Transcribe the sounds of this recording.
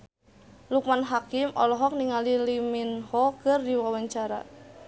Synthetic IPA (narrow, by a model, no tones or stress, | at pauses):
luk̚manɦakɪmɔ̰lɔɦɔk̚niŋaliliminhɔkərdiwawaɲt͡ʃaɾa̰